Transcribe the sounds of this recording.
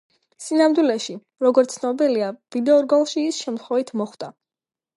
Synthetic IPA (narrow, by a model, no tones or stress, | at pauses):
sinamd̪wilɛʃi | ɾɔɡɔɾt̪sʰnɔbiliavid̪ɛɔɾɡɔlˠʃiːsʃɛmt̪ʰχwɛvit̪ʰmɔχwd̪̥a